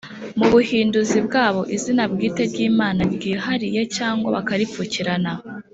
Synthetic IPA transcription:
muβuhiːnduzibɡaːβo̞ʔizinabɡiːte̞ɾɟiːmaːnabɡiːhaɾije̞caːŋɡwa̰βakaɾipfuciɾana

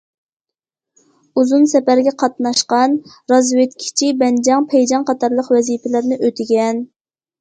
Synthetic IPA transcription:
uzunsɛpæɾɡʲɛqʰɑt̪nɑʃqɑn | ɾɑzwet̪̚kʲʰi̥t͡ʃʰibɛnd͡ʒɑŋpʰɛjd͡ʒɑŋqʰɑt̪ʰɑɾlˠəqwɛzipɪlɪɾnɪʔøt̪ʰɪɡʲɛn

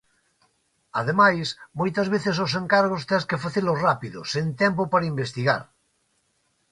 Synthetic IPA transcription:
aðemajsmojt̪azβ̞eθesos̬eŋkaɾɣost̪eskefaθelosrapiðo̰sint̪ɛmpopaɾaimbest̪iɣa̰ɾ

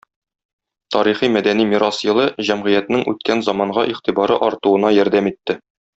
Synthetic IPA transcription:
t̪ɒɾiχimæd̪ænimiɾɑsjɤ̆lˠɤʑæmʁɘjæt̪nɘŋʔʉt̪̚kænzɒmɑɴʁɑʔiχt̪ibɑɾɤʔɒɾt̪uɤ̆nɑjɒɾd̪æmit̪ːɘ

